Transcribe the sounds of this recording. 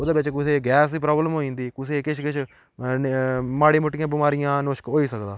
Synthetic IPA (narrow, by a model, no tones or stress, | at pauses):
oːd̪eːbɪt͡ʃkʊseːɡɛːsiːp̬ɾaːbləmɦoːĩːnd̪iːkʊseːkɪt͡ʃʰkɪt͡ʃʰ | maːɽiːmʊʈːɪjãːbɪmaːɾɪjãːnoːʃkɦoːiːsəkd̪aː